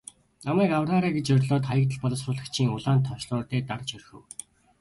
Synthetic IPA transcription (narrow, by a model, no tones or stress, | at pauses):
amæːkawraːɾaːɡet͡ɕœrʲɮoːt̪χajə̆kt̪̬ə̆ɮpɔɮɞ̆srʊːɮə̆kt͡ɕʰiːŋʊɮaːnt̪ʰːɔʃɮɔːrt̪eːt̪art͡ɕɵrxɵ̆w